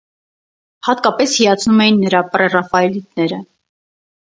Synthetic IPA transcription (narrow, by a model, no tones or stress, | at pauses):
hɑt̪kɑpɛshijɑt͡sʰnumɛjinːəɾɑprɛrɑfɑɛlit̪̚nɛɾə